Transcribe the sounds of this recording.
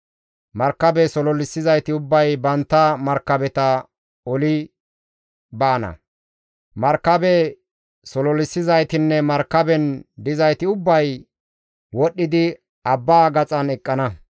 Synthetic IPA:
mɐɾkːɐbɛsɔlɔlɪsːɪzɐjt̪ɪʊbːɐjbɐnt̪ːɐmɐɾkːɐbɛt̪ɐ | ɔlɪ | baːnɐ̰ | mɐɾkːɐbɛ | sɔlɔlɪsːɪzɐjt̪ɪnːɛmɐɾkːɐbɛnd̪ɪzɐjt̪ɪʊbːɐj | wɔɗːɪd̪ɪ | ɐbːaːɡɐt͡sʼɐnɛkʼːɐnɐ

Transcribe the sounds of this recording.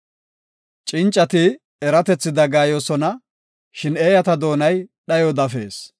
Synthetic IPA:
t͡ʃʼɪnt͡ʃʼːɐt̪ɪ | ɛɾɐt̪ɛt͡sːɪd̪ɐɡaːjoːsɔnɐ | ʃɪneːjɐt̪ɐd̪o̞ːnɐjɗɐjɔd̪ɐfe̞̰ːs

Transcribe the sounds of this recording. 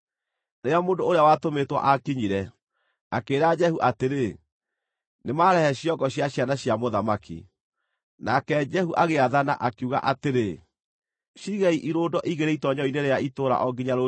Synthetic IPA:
nejamoːndooɾeawatometwa̰ʔakiɲiɾɛ | akeɾad͡ʒɛhuʔateɾe | nemaːɾɛhɛɕjɔɡɔɕjaɕjanaɕjamoðamakḭ | nakɛd͡ʒɛhuʔaɣeaðana̰ʔakiuɣa̰ʔateɾe | ʃiɣaiʔiɾoːdɔʔiɣeɾeitɔɲɔineɾeaitoːɾa̰ʔɔɡiɲaɾo

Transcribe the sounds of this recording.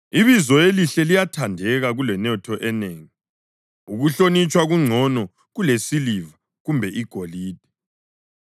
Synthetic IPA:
iβizɔjeliɬɛlijatʰandʱɛɣaɣulɛnɔtʰɔʔɛneːŋi | uɣuɬonit͡ʃʼwaɣuŋ͡ǀʱɔnɔ | ɣulesiliva | ɣumbʱɛʔiɡ̥ʱoliːd̥ʱɛ̥

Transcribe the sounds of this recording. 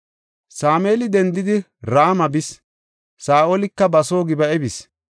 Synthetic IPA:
saːmeːlɪd̪ɛnd̪ɪd̪ɪ | ɾaːmɐbɪs | saːʔoːlɪkːɐbɐso̞ːɡɪbɐɛbɪs

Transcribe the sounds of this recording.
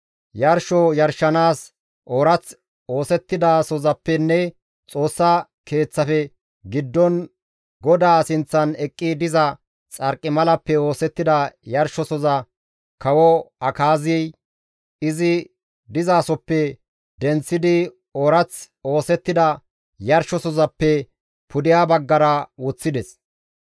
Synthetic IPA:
jɐɾʃɔjɐɾʃːɐnaːs | ʔoɾɐt͡s | oːsɛt̪ːɪd̪ɐsɔzɐpːɛnːɛ | t͡sʼo̞ːsːɐ | ke̞ːt͡sːɐfɛ | ɡɪd̪ːɔn | ɡɔd̪aːsɪnt͡sːɐnɛkʼːɪd̪ɪzɐ | t͡sʼɐɾkʼːɪmɐlɐpːɛo̞ːsɛt̪ːɪd̪ɐjɐɾʃɔsɔzɐ | kɐwɔɐkaːzij | ɪzɪ | d̪ɪzaːsɔpːɛ | d̪ɛnt͡sːɪd̪ɪ | oɾɐt͡s | o̞ːsɛt̪ːɪd̪ɐ | jɐɾʃɔsɔzɐpːɛ | pʊd̪ɪjaːbɐɡːɐɾɐwɔt͡sːɪd̪ɛs

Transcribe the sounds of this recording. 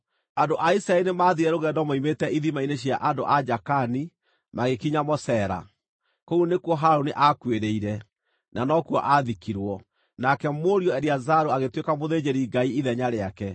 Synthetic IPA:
andoʔaisɾaɛɾinemaːðiɾɛɾoɣɛndɔmoimetɛiðimaineɕjaʔando̰ʔad͡ʒakani | maɣekiɲamɔsɛːɾa̰ | koonekwɔɦaɾoniʔakweɾeiɾɛ | nanɔkwɔ̰ʔaðikiɾwɔ | nakɛmoɾiɔɛɾiazaɾoaɣetwekamoðed͡ʑeɾiːɡaiiðɛɲaɾeakɛ

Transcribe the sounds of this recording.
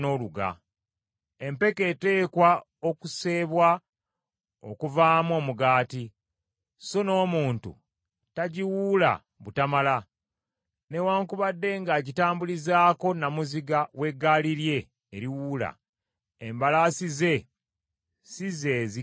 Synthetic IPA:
no̞luɡa̰ | empe̞ke̞te̞ːkwa | o̞kuse̞ːβwa | o̞̰kuvaːmo̞ːmuɡaːti | so̞no̞ːmuːntṵ | taɟiwuːla̰ | βutamala | ne̞waːŋkuβadːe̞ŋɡaɟitaːmbulizaːko̞namuziɡawe̞ɡaːliɾje̞ː | ɾiwuːla̰ | embalasize̞ | size̞ːzi

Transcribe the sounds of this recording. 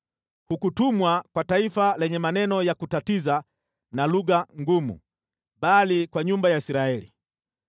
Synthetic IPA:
hukutumwakwataifalɛɲɛmanɛnɔjakutatiza | naluɡaŋɡumṵ | ɓalikwaɲumbajaisiɾaɛlḭ

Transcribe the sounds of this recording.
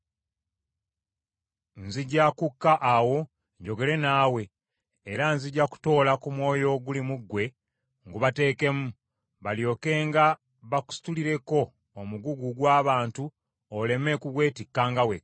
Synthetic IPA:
nziɟakukːaʔawo̞ | ɲɟo̞ɡe̞ɾe̞naːwe̞ː | ɾanziɟaku̥to̞ːlakumwo̞ːjo̞ɡulimuɡːwe̞ | ŋɡuβate̞ːke̞mu | βaljo̞ːke̞ːŋɡa | βaku̥si̥tuliɾe̞ko̞ː | muɡuɡuɡwaːβaːntu | ole̞me̞kuɡwe̞ːtikːaːŋɡawe

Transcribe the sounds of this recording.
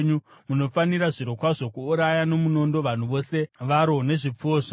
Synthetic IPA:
ɲumuno̞faniɾaʐiɾo̞kwaʐo̞kuːɾajano̞muno̞ndo̞ʋan̤uʋo̞se̞ʋaɾo̞ne̞ʐip͡fuoːʐa

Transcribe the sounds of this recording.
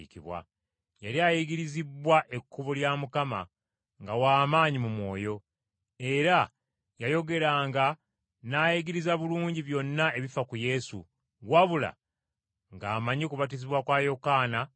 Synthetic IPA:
kiβwa̰ | jaɾiaːjiɡiɾizibwaʔe̞kʰːuβuljamukama̰ | ŋɡawaːmaːɲimumwo̞ːjo̞ | e̞ɾa | jajo̞ɡe̞ɾaŋɡa | najiɡiɾizaβuluːɲɟiβjo̞nːae̞βifakuje̞sṵ | ɣwaβula̰ | ŋɡaːmaɲikuβat̬iziβwakwaːjo̞kaːna

